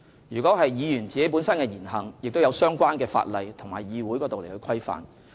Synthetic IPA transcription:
jyː˨˩kɔː˨˥ɦɐ˨jjiː˨˧jyː˨˩nt͡siː˨ke˨˥jp̬u˨˥nsɐ˥nkɛː˧jiː˨˩nɦɐ˨˩ŋjɪ˨k̚t̪o˥jɐ˧wsœː˥ŋkʷaː˥nkɛː˧fa̰ː˧t̚lɐ˨jt̪ʰʊ˨˩ŋmaː˨jjiː˨˧wu˨˥jkɔ˧˥to˨wle˨˩hɵ˧jkʰɐ˥jfa̰ː˨n

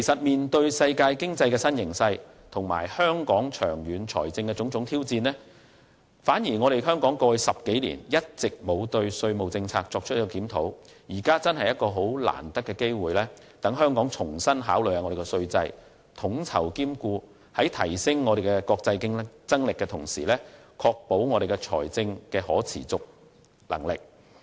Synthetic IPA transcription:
ke˨˩sɐ˨t̚miː˨nt̪ɵ˧ɥsɐ˧jkaː˧jkɪ˥ŋt͡sɐ˧jkɛː˧sɐ˥njɪ˨˩ŋsɐ˧j | t̪ʰʊ˨˩ŋma̰ː˨˩jhœː˥ŋkɔː˨˥ŋt͡ʃʰœ̰ː˨˩ŋjyː˨˥nt͡ʃʰɔ̰ː˨˩jt͡sɪ˧ŋkɛ˧t͡sʊ˨˥ŋt͡sʊ˨˥ŋt̪ʰi˥wt͡siː˧nlɛː˥ | faː˨˥njiː˨˩ŋɔː˨˧ɾe˨˩jɦœː˥ŋkɔː˨˥ŋkɔː˧jsɐ˨p̚ke˨˥jlḭː˨˩njɐ˥t̚t͡sɪ˨k̚mo˨˧wt̪ɵ˧ɥsɵ˧ɥmo˨wt͡sɪ˧ŋt͡sʰaː˧k̚t͡ʃɔː˧k̚t͡ʃ̚ʰjkːɔ˧kiː˨˥mt̪ʰo˨˥wjiː˨˩kaː˥t͡sɐ˥nhɐ˨jɐ˥t̚kɔː˧ɦo˨˥wla̰ː˨˩nt̪ɐ˥kːɛ˧ke˥jwuː˨jlɛː˥ | t̪ɐ˨˥ŋɦœː˥ŋkɔː˨˥ŋt͡sʰʊ˨˩ŋsɐ˥nɦa̰ː˨˥wlɵ˨jhaː˨ŋɔ˨˧de˨˩kɛ˧sɵ˧ɥt͡sɐ˧j | t̪ʰʊ˨˥ŋt͡sʰɐ̰˨˩wkiː˥mkuː˧ | hɐ˨˥jt̪ʰɐ˨˩jsɪ˥ŋːɔː˨˧ɾe˨jkɛ˧kɔː˧k̚t͡sɐ˧jkɪ˥ŋt͡sɐ˥ŋlɪ˨kːɛː˧t̪ʰʊ˨˩ŋsḭː˨˩lɛː˥kʰɔː˧k̚po˨˥wŋɔː˨˧ɾe˨jkɛ˧t͡ʃʰɔ̰ː˨˩jt͡sɪ˧ŋkɛː˧hɔː˨˥t͡sʰḭː˨˩t͡sʊ˨k̚ | lɐ̰˨˩ŋlɪ˨k̚

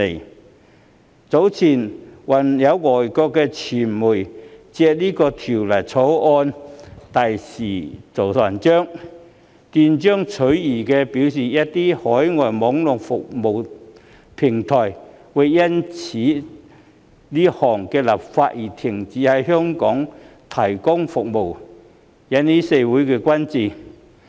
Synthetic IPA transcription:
e˨˩ | t͡so˨˥wt͡sʰiː˨˩nwɐ˨˩njɐ˨˧wŋɔː˨˩jkɔː˧kːɛː˧t͡sʰiː˨˩nmuː˨˩jt͡sɛː˧liː˥kɔː˧t̪ʰiː˨˩wlɐ˨˩jt͡sʰo˨˥wʔɔː˧nt̪ɐ˨jsiː˨˩t͡so˨˩wsa˨˩nt͡ʃœː˥ŋ | t̪iː˧nt͡ʃœː˥ŋt͡sʰɵ˨˥ɥjiː˨˩kɛː˧piː˨˧˥wsiː˨˩jɐ˥t̚t̪iː˥hɔː˨˥jŋɔː˨˩jmɔː˨˥ŋlɔ˨˩ŋfʊ˨k̚mo˨˩w | pʰɪ˨˩ŋt̪ʰɔː˨˩jwʊ˨˧jjɐ˥nt͡sʰiː˨˥ | liː˥hɔː˨˩ŋkɛː˧lɐ˨˩p̚fa̰ː˧˥t̚jiː˨˩t̪ʰɪ˨˩ŋt͡siː˨˥hɐ˨jɦœː˥ŋkɔː˨˥ŋt̪ʰɐ˨˩jkʊ˥ŋfʊ˨k̚mo˨˩w | jɐ˨˥nniː˥se˧jwuː˨˥jkɛː˧kwɐ˥nt͡siː˨

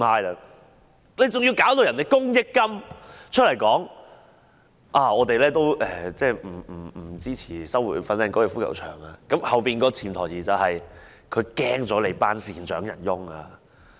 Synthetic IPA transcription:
aː˧jlɐ˧ | ne˨˧jt͡sʊ˨ŋjiː˧wkaː˨˥wt̪o˨wjɐ˨˩nt̪e˨jkʊ˥ŋjɪ˥kːɐ˥mt͡ʃʰɵ˥t̚lɐ˨˩jkɔː˨˥ŋ | ʔaː˧ɔː˨˧t̪e˨jlɛː˥t̪o˥wʔɛː˨˩t͡sɛː˥˩m̩˨˩˨t͡siː˥t͡sʰiː˨˩sɐ˥wu˨˩fɐ˧nlɛː˧ŋkɔː˨˧˥jɛ˨˧fuː˥kɐ̰˨˩wt͡ʃʰœ̰ː˨˩ŋa˧kɐ˨˥mhɐ˨wpiː˨nkɔː˧t͡sʰiː˨˩mt̪ʰɔː˨˩jt͡siː˨t͡sɐ˨whɐ˨j | kʰɵ˨˧kɛː˥ŋt͡sɔː˨˥le˨˧paː˥nsiː˨˩nt͡ʃœː˨˥ŋjɐ̰˨˩njʊ˥ŋaː˧

